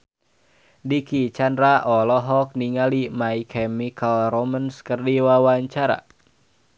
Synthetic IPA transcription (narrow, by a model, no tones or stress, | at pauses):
dikit͡ʃandɾaʔɔlɔɦɔk̚niŋalimaikʰɛmikalromənskərdiwawaɲt͡ʃaɾa̰